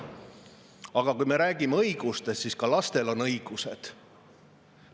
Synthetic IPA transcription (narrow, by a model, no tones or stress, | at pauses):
ɑɡ̥ɑkujme̞ɾæːɡ̥imeɤ̞jɡ̥ust̪e̞st̪siskɑlɑst̪e̞lo̞nɤ̞jɡ̥use̞d̪̥